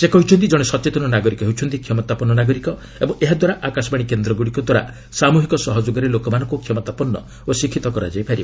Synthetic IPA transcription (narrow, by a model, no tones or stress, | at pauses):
sekɔɦut͡ʃʰɔnt̪id͡ʒɔɽ̃esɔt͡ʃet̪ɔnɔnaɡɔɾikɔɦewt͡ʃʰɔnt̪ikʰjɔmɔt̪apɔnːɔnaɡɔɾikɔ | ebɔŋʔeɦad̪waɾaʔakasɔbaɽ̃ikend̪ɾɔɡuɽikɔd̪waɾa̰ | samuɦikɔsɔɦɔd͡ʒoɡɔɾelokɔmanɔ̃ŋkukʰjɔmɔt̪apɔnːɔ̰ | osikʰit̪ɔkɔɾa̰d͡ʒajpaɾib